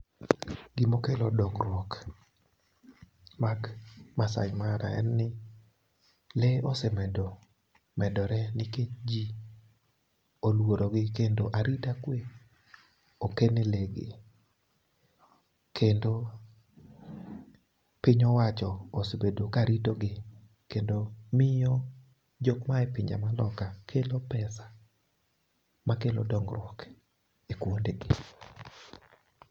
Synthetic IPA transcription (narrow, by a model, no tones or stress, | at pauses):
ɡ̥ɪmokelɔdɔŋɾwɔk | makmasa̰ɲmaɾa̰ɛ̰nːɪ | lɛosɛmɛdɔ | mɛdɔɾɛnɪket͡ʃd͡ʒi | olwoɾoɡɪkendoʔaɾitakwe | okeneleɡḛ | kʰendo | pɪɲɔwat͡ʃɔːsobedokaɾitoɡɪ | kendomɪjɔ | d͡ʒokmaɛpɪɲd͡ʒa̰malɔkakʰelopɛsḁ | makelo̰dɔŋɡɾwɔk | ekwondeɡɪ